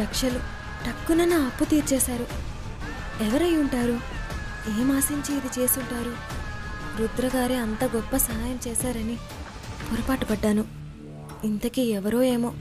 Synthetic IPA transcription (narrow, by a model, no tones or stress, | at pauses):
ɾɐkʂɐlu | ʈ̪ɐkːunɐnuɐpːut̪iːɾt͡ʃɛːsaːɾu | ɛʋɐɾɐjuɳʈaːɾu | eːmaːsiɲt͡ʃiid̪it͡ʃe̞ːsuɳʈaːɾu | ɾud̪ɾɐɡaːɾeɐnt̪ɐɡɔpːɐsɐɦaːjɐmt͡ʃɛːsaːɾɐni | pɔɾɐpaːʈɐpɐɖːaːnu | int̪ɐkiɛʋɐɾoːe̞ːmo̞ː